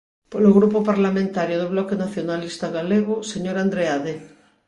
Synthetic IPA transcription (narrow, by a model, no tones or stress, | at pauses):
poloɣɾupopaɾlamẽnt̪aɾjoðoβlɔkenaθjonalist̪aɣaleɣ̞oseɲoɾand̪ɾeaðe